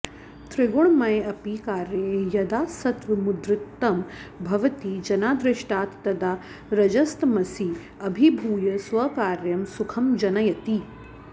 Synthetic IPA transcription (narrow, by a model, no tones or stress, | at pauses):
t̪ɾɪɡoɳmɐjɐpikaːɾjɐejɐd̪aːsɐt̪ʋɐmud̪ɾɪt̪ːɐmbʱɐʋɐt̪id͡ʒɐnaːd̪ɾɪʃʈaːt̪ːɐd̪aː | ɾɐd͡ʒɐst̪mɐsi | ɐbʱibʱuːjɐsʋɐkaːɾjɐmsukʰɐmd͡ʒɐnɐjɐt̪i